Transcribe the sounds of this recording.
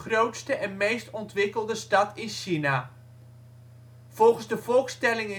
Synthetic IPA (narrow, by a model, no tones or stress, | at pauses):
χrowtstəʔɛnmejstɔntʋɪkəlˠdəstɑtɪnsʃina | v̥ɔlˠχən̩zdəvɔlˠkstɛlɪŋɪ